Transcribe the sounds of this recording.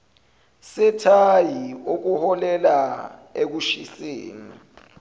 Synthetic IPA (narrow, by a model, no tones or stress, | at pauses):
sɛtʰajiuk̬uhɔlɛlaek̬uʃisḛːni